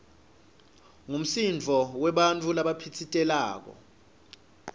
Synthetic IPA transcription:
ŋum̩sind͡vʱɔwɛɓant͡fʼulaɓapʰitʰitʼɛlaːk̬ɔ̰

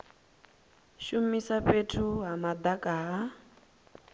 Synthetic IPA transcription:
ʃumisapetʰuɦamad̪akʼaɦa

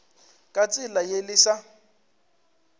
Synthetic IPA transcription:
kʼat͡sʼɪlajelɪsa

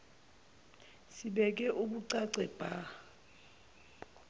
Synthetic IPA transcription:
siɓɛk̬ʼɛʔuɓuǀaǀɛb̥ʱa

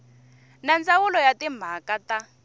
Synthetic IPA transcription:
nand͡zawulɔjatim̤akata

